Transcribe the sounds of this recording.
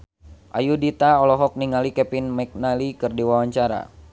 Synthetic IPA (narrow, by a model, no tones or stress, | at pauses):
ʔajudit̪aɔlɔɦɔk̚niŋalikɛpinmɛk̚nalikɨrdiwawaɲt͡ʃaɾa̰